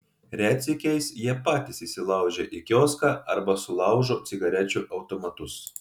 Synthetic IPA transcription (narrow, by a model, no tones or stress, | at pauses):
ɾʲæːt̪sʲɪkʲɛɪsjiɛpɑːt̪ʲɪsisʲɪlˠɐˑʊʒʲɛʔɪkʲoːskɑɐɾbɐsʊlˠɐˑʊʒoːt̪sʲɪɡɐɾʲɛt͡ʃʲuʔɐʊt̪omɐt̪ʊs